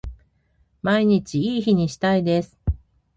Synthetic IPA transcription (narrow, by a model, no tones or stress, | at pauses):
maiɲ̟it͡ɕiiːçiɲ̟iɕi̥t̪aid̪e̞sɨ̥